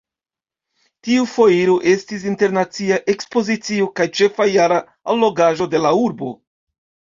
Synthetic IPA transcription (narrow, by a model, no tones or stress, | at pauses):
tiufo̞jiɾoʔe̞stis̬inte̞ɾnat͡siaʔe̞kspo̞zit͡siokajt͡ʃe̞fajaɾa | alːo̞ɡaʒo̞de̞lauɾbo̞̰